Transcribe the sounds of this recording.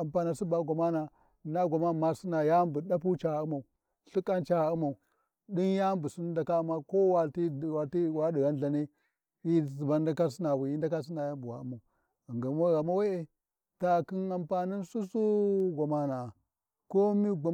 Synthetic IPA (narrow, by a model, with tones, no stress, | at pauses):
a˨mpa˨na˨su˦ba˨ɡʷa˨ma˦na˨ | na˦ɡʷa˨ma˦˨ma˦si˦na˨ja˦mbu˨ɗa˦p̬u˦t͡ʃa˨u˦ma˨u˨ | ɬu˦kʼːa˦nt͡ʃa˨ɣa˨u˦ma˨u˨ | ɗi˦nja˦mbu˨su˦n˦nda˨ka˦u˦ma˦ko˦wa˨ti˦˨wa˨ti˦wa˦di˨ɣa˦n˦ɮa˨ne˦ | i˦˨zi˨ba˦da˦ka˦s̬i˦na˨wi˨ji˦nda˦ka˦s̬i˦na˨ja˦mbu˨wa̰˨u˦ma˨u˨ | ŋɡa˨mo˦ɣa˨ma˦we˦e˨ | ta˨ki˦na˨mpa˨ni˦nsu˦su˦ɡʷa˨ma˨na˨ | ko˦mi˦ɡʷa˨